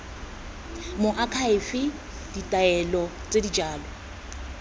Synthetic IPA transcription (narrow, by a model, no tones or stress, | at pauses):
mʊʔakʰaɪfɪ | d̥itʼaɛlɔ | t͡sʼedid͡ʒaːlɔ